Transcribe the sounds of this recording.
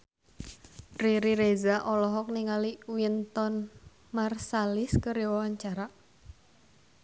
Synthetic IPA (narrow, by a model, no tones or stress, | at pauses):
ɾiɾiɾezaʔɔlɔɦɔk̚niŋaliwint̪ɔn | marsalɪskəɾiwawaɲt͡ʃaɾa